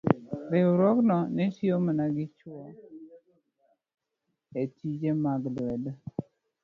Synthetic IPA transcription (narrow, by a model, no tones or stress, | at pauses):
ɾeoɾɔɡnɔnɪʃiomanaɡɪt͡ʃwɔ | etid͡ʒemaɡlwɛd